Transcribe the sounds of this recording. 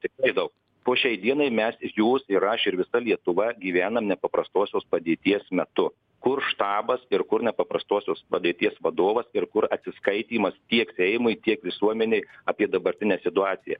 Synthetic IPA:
t̪ʲɪkrɐɪd̪ɐʊk̚ | poːʃʲɛɪd̪ʲiɛnɐɪmʲɛsjuːsɪɾɐʃɪɾʋʲɪsɐlʲiɛt̪ʊʋɐɡʲiːʋʲæːnɐmnʲɛpɐpɾɐst̪oːsʲoːspɐd̪ʲeːt̪ʲiɛsmʲɛt̪ʊ | kʊrʃt̪ɑːbɐsɪɾkʊɾnʲɛpɐpɾɐst̪oːsʲoːspɐd̪ʲeɛːt̪ʲiɛsʋɐd̪oːʋɐsɪɾkʊɾɐt̪ʲsʲɪskɐɪt̪ʲiːmɐst̪ʲiɛksʲɛɪmʊɪt̪ʲiɛkʋʲɪsuɔmʲɛnʲeɪɐːpʲiɛd̪ɐbɐɾʲt̪ʲɪnʲɛsʲɪt̪ʊɑːt̪sʲɪjɛ̰

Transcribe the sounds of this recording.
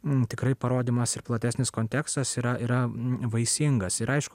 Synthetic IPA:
t̪ʲɪkɾɐɪpɐɾoːd̪ʲiːmɐsɪɾplˠɐt̪ʲæːsʲnʲɪskoːnʲt̪ʲɛːkst̪ɐsiːɾɐʔiːɾɐʋɐɪsʲɪŋɡɐsɪɾɐɪʃkʊ

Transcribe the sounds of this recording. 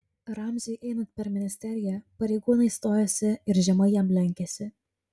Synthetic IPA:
ɾɑmʲzʲɛɪʔɛɪnɐnt̪̚ʲpʲɛɾmʲɪnʲɪsʲt̪ʲɛɾʲɪjɛpɐɾʲɛɪɡuːnɐɪst̪oːjoːsʲɪɪɾʒʲɛmɐɪjɛmlʲɛŋʲkʲɛsʲɪ

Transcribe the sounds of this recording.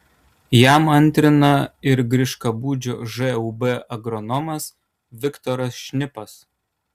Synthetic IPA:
jæˑmɐnʲt̪ʲɾʲɪnɐɪɾɡɾʲɪʃkɐbuːd͡ʒʲoːʒɛubɛʔɐɡɾɔnɔmɐs | ʋʲɪkt̪ɔɾɐsʃʲnʲɪpɐs

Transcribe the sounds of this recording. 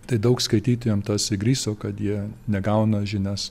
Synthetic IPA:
t̪ɐɪd̪ɐʊkskɐɪt̪ʲiːt̪ʊjomt̪ɐsɪɡɾʲiːsoːkɐt̪jiɛnʲɛɡɐʊnɐʒʲɪnʲɛs

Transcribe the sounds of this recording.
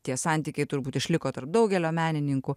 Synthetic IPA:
t̪ʲiɛsɑnʲt̪ʲiːkʲɛɪt̪ʊɾbuːt̪ɪʃʲlʲɪkoːt̪ɐrp̚d̪ɐʊɡʲɛlʲoːmʲæːnʲɪnʲɪŋkʊ

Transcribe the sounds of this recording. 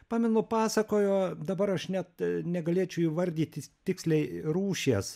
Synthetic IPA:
pɑːmʲɛnʊpɑːsɐkoːjoːd̪ɐbɐɾɐʃnʲɛt̪nʲɛɡɐlʲeːt͡ʃʲʊiːʋɐɾʲd̪ʲiːt̪ʲɪt̪ʲɪksʲlʲɛɪruːʃʲeːs

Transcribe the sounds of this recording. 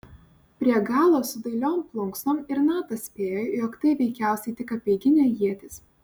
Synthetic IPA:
pʲɾʲiɛɡɑːlˠoːsʊd̪ɐɪlʲoːmplˠʊŋksnomɪɾnɑːt̪ɐsʲpʲeːjojoːkt̪ɐɪʋʲɛɪkʲæˑʊsʲɛɪt̪ʲɪkɐpʲeːɡʲɪnʲeːjiɛt̪ʲɪs

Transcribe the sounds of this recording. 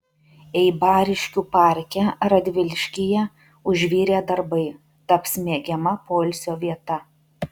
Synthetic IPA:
ɛɪbɑːɾʲɪʃʲkʲuːpɑˑɾʲkʲɛɾɐd̪ʲʋʲɪlʲʃʲkʲɪjɛ | ʊʒʲʋʲiːɾʲeːd̪ɐɾbɐɪ | t̪ɐpsʲmʲeːɡʲɛmɐpoːlʲsʲoːʋʲiɛt̪ɐ

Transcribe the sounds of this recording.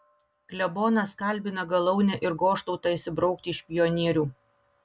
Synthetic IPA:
klʲɛboːnɐskɐlʲbʲɪnɐɡɐlˠɐʊnʲɛʔɪɾɡoːʃt̪ɔʊt̪ɑɪsʲɪbɾɒʊk̚t̪ʲɪɪʃpʲɪjɔnʲiɛɾʲuː

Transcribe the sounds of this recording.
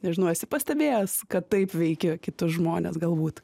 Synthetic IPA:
nʲɛʒʲɪnɐʊɛsʲɪpɐsʲt̪ʲɛbʲeːjoskɐttɐɪpʋʲɛɪkʲɪkʲɪt̪ʊsʒmoːnʲḛːsɡɐlˠbuːt̪

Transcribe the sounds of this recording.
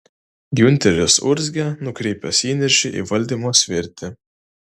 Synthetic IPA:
ɡʲʊnʲt̪ʲɛɾʲʊsʊ̰ɾʲzʲɡʲɛnʊkɾʲɛɪpʲɛsʲiːnʲɛɾʲʃʲɪʔḭːʋɐlʲd̪ʲiːmoːsʲʋʲɪɾʲt̪ʲɪ

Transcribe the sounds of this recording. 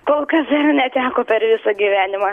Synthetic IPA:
koːlˠkɐsɐrnʲɛt̪ʲæːkoːpʲɛɾʋʲɪsɐːɡʲiːʋʲæːnʲɪmɑː

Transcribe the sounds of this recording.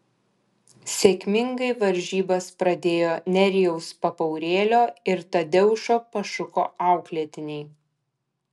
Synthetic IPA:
sʲeːkʲmʲɪŋɡɐɪʋɐɾʲʒʲiːbɐspɾɐd̪ʲeːjoːnʲɛɾʲɪjɛʊspɐpɐʊɾʲeːlʲoːɪɾt̪ɐd̪ʲɛʊʃoːpɐʃʊko̰ːɑˑʊklʲiːt̪ʲɪnʲɛɪ

